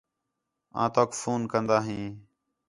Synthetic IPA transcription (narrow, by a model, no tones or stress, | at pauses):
ã̰ːt̪oːkfuːnkənd̪aːɦĩː